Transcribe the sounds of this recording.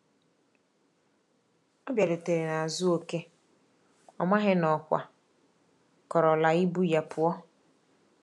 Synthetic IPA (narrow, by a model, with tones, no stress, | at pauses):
ɔ˦bja˨do˨te˨ɾe˨na˨a˨zʊ˦o˦ke˦ | ɔ˨ma˦ɦɪ˦nɔ˨kʷa̰˨ | kɔ˨ɾɔ˨la˨i˦bu˦ja˨pʰʊ˨ɔ˦